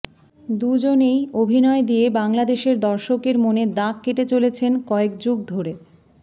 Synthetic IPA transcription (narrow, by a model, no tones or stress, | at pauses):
d̪ud͡ʑonejobʱinɔed̪ijebaŋlad̪eʃeɾd̪ɔɾʃokeɾmoned̪akːeʈet͡ɕolet͡ɕʰenkɔek̚d͡ʑuɡ̚d̪ʱoɾe